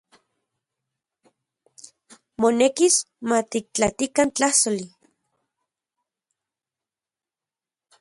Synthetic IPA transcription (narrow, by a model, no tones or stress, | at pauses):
monekis | mat̪ik̚t͡ɬat̪ikant͡ɬahsoli